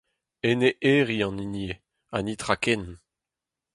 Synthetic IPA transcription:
eneʔeːʁiɑ̃nine | anit̪ʁakɛn

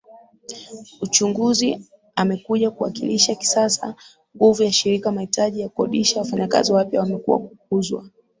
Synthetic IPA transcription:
ut͡ʃuŋɡuzi | amɛkuʄakuwa̰kiliʃaki̥sasa | ŋɡuvujaʃiɾikamahitaʄijakuɔɗiʃawafaɲaka̰ziwapjawamɛkṵwa̰ku̥k̚uzwa̰

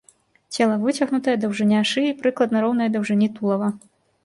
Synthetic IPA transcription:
t͡sʲɛlˠɐvɨt͡sʲɐɣnut̪ɐjɐd̪ɐwʐɨnʲaʂɨjipɾɨklˠɐd̪nɐɾɔwnɐjɐd̪ɐwʐɨnʲit̪ulˠɐvɐ

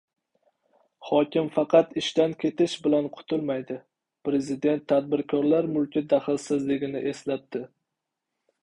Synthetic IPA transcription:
hɒkʲɪmfɑqʰɑt̪ɪʃt̪ankʲʰe̞t̪ʰɪʃbɪlanqʰʊ̥t̪ʰʊlˠmajd̪ɪ | pɾe̞zɪd̪e̞nt̪ʰːad̪̚bɪɾkʰɒɾlaɾmʊlkʲɪd̪aχɪlsɪzlɪɡʲɪnɪʔe̞slat̚t̪ɪ

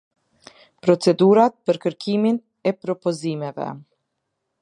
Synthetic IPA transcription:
pɾɔt͡sɛd̪uɾat̪̚pəɾkəɾkʰimin | ɛpɾɔpɔzimɛvɛ̰

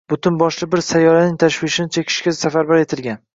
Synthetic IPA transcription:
b̥ʊt̪ʰʊnbɒʃlɪbɪɾsajɒɾanɪŋt̪ʰaʃwɪʃɪnɪt͡ʃʰekʲʰɪ̥ʃkʲasafaɾbaɾe̞t̪ʰɪlɡʲan

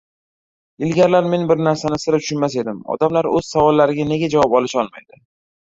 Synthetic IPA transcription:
ɪlɡʲaɾlaɾme̞nbɪɾnaɾsanɪsɪɾɪpt̪ʰʊ̥ʃʊnmase̞d̪ɪmɒ̰d̪amlaɾɵz̥savɒlːaɾɪɡʲane̞ɡʲad͡ʒavɒpɒlɪʃɒlˠma̰jd̪ɪ

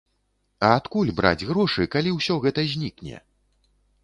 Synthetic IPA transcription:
ɐːt̪kulʲbɾa̰d͡zʲɣɾɔʂɨkalʲiwsʲɔɣɛt̪ɐzʲnʲiknʲɛ̰

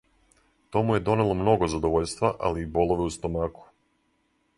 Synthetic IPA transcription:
t̪o̞muje̞d̪o̞ne̞lˠo̞mno̞ɡo̞zad̪oʋoʎst̪ʋaʔa̰liːbo̞lˠo̞ʋeust̪omaːku̥

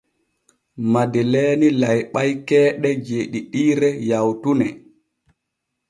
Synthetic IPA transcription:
madɛlɛːnilajɓajkɛːɗɛd͡ʒeːɗiɗiːɾɛjawtunɛ

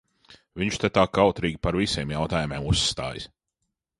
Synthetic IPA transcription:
viɲt͡ʃt̪et̪aːkawt̪ɾiːɡʲipaɾvisʲeːmjawt̪aːjumʲeːmusːt̪a̰ːjs

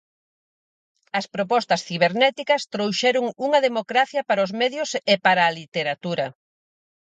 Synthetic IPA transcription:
ɐspɾopɔst̪ɐsθiβeɾnɛt̪ikɐst̪ɾowʃɛɾʊŋuŋɐðemokɾaθjɐpaɾaʊzmɛðjʊsepaɾaːlit̪eɾat̪uɾɐ

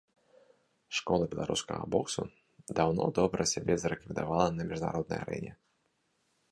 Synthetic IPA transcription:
ʂkɔlˠɐbʲɛlˠaɾʔuskɐɣɐ̰bɔksu | d̪awnɔd̪ɔbɾɐsʲabʲɛzɐɾɛkvʲid̪avalˠɐnɐmʲiʐna̰ɾɔd̪nɐ̰ja̰ɾɛ̰nʲɛ

